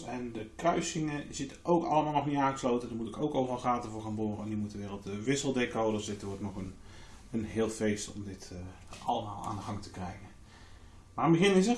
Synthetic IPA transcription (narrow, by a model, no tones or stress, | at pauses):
ɛndəkrœɥsɪŋəzɪtəʔowkɑlˠəmaːlˠnɔχniãːɣəslowtədəmutɪkowkowvərɑlˠχaːtəvʊːɹxaːnboːrəɛnymutəʋɪːrəlˠtəʋɪsəlˠdekowdɔsdɪtʊːtnɔχən | ənɦɪːlˠfejstɔ̰mdɪtʔɑləmaːlˠa̰ːndəɣɑŋtə̥krɛjɣən | maːəmbəɣɪnɪzə